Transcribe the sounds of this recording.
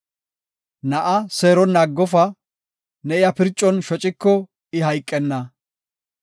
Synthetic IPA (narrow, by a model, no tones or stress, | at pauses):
nɐʔɐseːɾɔnːaːɡːɔfɐ | nɛʔɪjɐpɪɾt͡ʃʼːɔnʃɔt͡ʃʼɪkːɔ | ɪɦɐjkʼːɛnːɐ